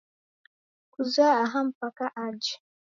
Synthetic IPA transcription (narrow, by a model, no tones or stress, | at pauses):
kuzaːɦam̩pakaʔad͡ʒi̥